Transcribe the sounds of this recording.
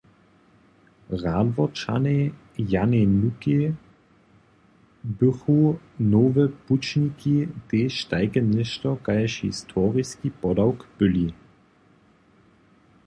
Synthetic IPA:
ʁaːdvɔt͡ʃa̰ne | janɛnuke | bʏxunoːvəput͡ʃnikiteʃtaɪkənɪʃtɔkajɛʃhḭstʰɔːʁiskipɔdawkpʏli

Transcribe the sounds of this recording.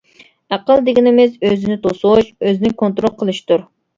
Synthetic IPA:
æqəlˠd̪ɪɡʲinɪmɪzøzɪnɪt̪ʰosoʃøznɪŋkʰont̪ɾolˠqʰəlˠɨʃt̪uɾ

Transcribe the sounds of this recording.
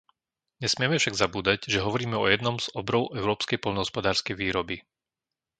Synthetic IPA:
ɲɛsmɪɛmɛfʃaɡzabuːd̪aɟʒɛɦɔʋɔɾiːmɛɔjɛd̪nɔmz̥ɔbɾɔʊʔɛʊɾɔːpskɛjpɔlnɔɦɔspɔd̪aːɾskɛjʋiːɾɔbi

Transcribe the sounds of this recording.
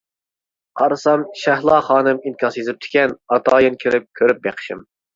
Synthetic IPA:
qʰɑɾɨsɑmʃæhlˠɑːχɑːnɨminkʲʰɑsjezɪp̚t̪ʰɪ̥kʲɛnɑt̪ʰɑːjɪnkʲʰiɾɪp̚kʲʰøɾyp̚bḛqʰɨ̥ʃim

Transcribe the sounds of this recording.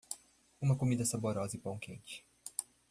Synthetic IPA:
ũmɐkomid̪ɐsaboɾɔzɐipõw̃kḛ̃t͡ʃɪ̥

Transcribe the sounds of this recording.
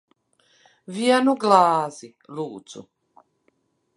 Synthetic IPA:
vianuɡlaːzi | luʔt͡sʰṵ

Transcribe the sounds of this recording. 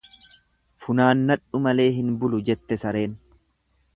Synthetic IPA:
fʊnaːnːɐᶑʊmɐle̞ːɦɪnbʊlʊd͡ʒɛt̪ːɛsɐɾe̞ːn

